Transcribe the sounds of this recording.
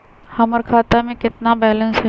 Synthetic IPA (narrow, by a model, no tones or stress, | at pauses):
hɐməɾkʰaːt̪amẽkɪt̪nabɛːlə̃nsɦɛ